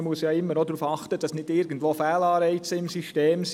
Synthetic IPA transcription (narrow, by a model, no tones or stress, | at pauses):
muəsjɑːɪmːənɔdɾuːfɑχtəd̥ɑsnɪtɪɾɡən̩tʋoːfɛːlɑːɾɛɪt͡səɪmsiʃteːms